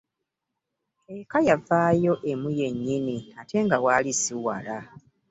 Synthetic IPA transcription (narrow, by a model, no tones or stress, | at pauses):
ekajavaːjo̞ʔe̞muje̞ɲːiniatʰe̞ŋɡawaːlisiwa̰la